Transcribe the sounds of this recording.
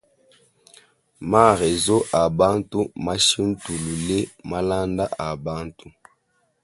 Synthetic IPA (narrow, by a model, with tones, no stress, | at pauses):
ma˦˨ʁe˨zo˦ʔa˨ba˦ntu˦ma˦ʃi˦n̩˦tu˨lu˨le˦ma˦la˦nda˦ʔa˨ba˦ntu˦